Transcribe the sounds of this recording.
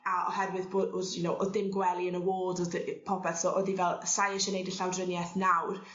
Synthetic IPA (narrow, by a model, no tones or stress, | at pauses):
aɔ̰hɛrwɨðboːdodjunowʔɔdɪmɡwɛlˠiənəwoːdɔðpʰɔpʰɛθsɔʔɔðivɛlˠsajɛʃɔnejdəɬawdrənjɛθnawr